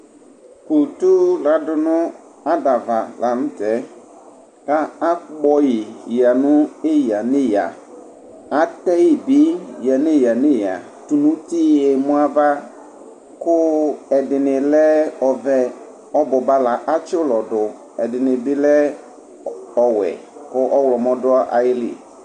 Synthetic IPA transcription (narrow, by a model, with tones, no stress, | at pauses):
ku˨tu˦la˨dʊ˨nʊ̃˦ | a˦da˨va˨la˨nʊ̃˦tɛ˨˦ | ka˦a˦k͡pɔ˦jɪ˨ja˨nʊ̃˦e˦ja˨nɪ˦ja̰˨ | a˦tɛ˦ji˨bi˦ja˨nɪ˦ja˨nɪ˦ja̰˨ | tu˨nũ˦ti˦ɛ˨mʊ̃˦a˦va˦ | kʊ˦ɛ˨dɪ˨nɪ˨lɛ˦ɔ˨vɛ˦ | ɔ˦bʊ˨ba˦la˨ʔa˦t͡ʃɪ˦ʊ˦lɔ˨dʊ˨ | ɛ˨dɪ˨nɪ˨bɪ˦lɛ˦ | ɔ˨wɛ̰˨kʊ˦ʔɔ˦wlɔ˨mɔ̃˦dʊ˦a˦ʔa̰˨jɪ˦lɪ̰˨